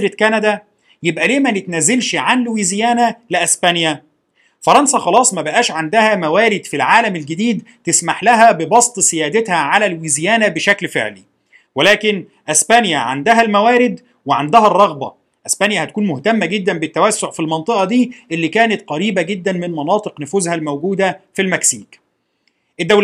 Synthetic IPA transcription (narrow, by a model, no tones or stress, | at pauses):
ɾet̪kænæd̪æ | jebʔæleːmænɪt̪næzːelʃʕanlowiːzjæːnælɪʔæsbænjæ | fɑɾˤɑnsɑxɑlɑːsˤmæbæʔæːʃʕand̪æhæmæwæːɾɪd̪filʕaːlæmelɡɪd̪iːd̪t̪esmaħlæɦæbebɑsˤt̪ˤsejæːd̪et̪hæʕalælwiːzjæːnæbeʃæklfḛʕli | welæːkɪn | ʔæsbænjæʕa̰nd̪æɦælmæwæːɾɪd̪ | weʕand̪æɦærˤːɑɣbɑ̰ | ʔæsbænjæhæt̪ækuːnmoht̪æmːæɡed̪ːæmbɪt̪ːæwæsːoʕfilmɑnt̪ˤɨʔɑd̪iːʔelːiːkæːnæt̪̚qɑɾiːbæɡed̪ːænmɪnmɑnɑːt̪ˤɨqnʊfuːzhælmæwɡuːd̪æfilmæksiːk | ʔed̪ːæwl